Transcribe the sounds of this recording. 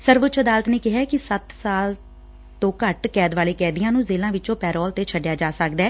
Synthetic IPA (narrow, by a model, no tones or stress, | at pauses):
səɾʋʊt͡ʃʰəd̪aːlət̪neːkɪɦɛːkɪsət̪saːl | t̪õːkəʈkɛːd̪ʋaːleːkɛːd̪ɪjãːnũːzeːlãːʋɪt͡ʃõːpɛːɾɔːlt̪eːt͡ʃʰəɖɪjaːd͡ʒaːsəkd̪ɛː